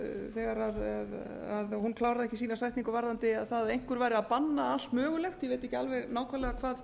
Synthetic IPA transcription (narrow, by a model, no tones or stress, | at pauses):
θɛɣaɾaðaðaðhunkʰlaːwɾaðɛhcːɪsiːnasajht̪niŋkʏvaɾðant̪ɪaðθaðejŋ̥kʏɾvaːjɾɪaðpanːaḁt̪mœːɣʏlɛxt̪jɛveːjt̪ːɛhcɪalvɛɣnaːwkʰvalɛɣakʰvaːð